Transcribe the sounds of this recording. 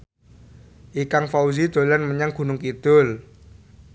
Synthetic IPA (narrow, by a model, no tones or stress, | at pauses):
ʔikaŋfauzid̪̥o̤lanməɲaŋɡ̥ṳnʊŋkid̪̥ʊl